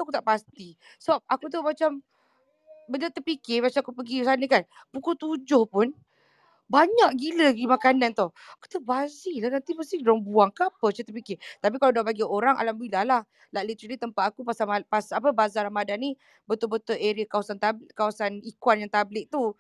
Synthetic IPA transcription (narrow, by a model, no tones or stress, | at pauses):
t̪akut̪aʔpast̪i | sɔp̚akut̪̬umat͡ʃam | bədət̪əpikɪmat͡ʃamakupəɡisanəkan | pukut̪ud͡ʒʊhpʊn | baɲaʔɡiləɡimakanant̪ɔh | aku̥t̪əbazilahnant̪iməst̪ɪhdɔŋbuaŋkəapət͡ʃət̪əpikɪt̪ap̬ikaladabaɡioɾaŋʔa̰lambilahlah | lalit̪əɾalit̪əmpat̪akupasamapasapəbazalahmadani | bət̪ʊbət̪ʊleɾiəkawasant̪abkawasanikwanjaŋt̪ablɪʔ̚t̪u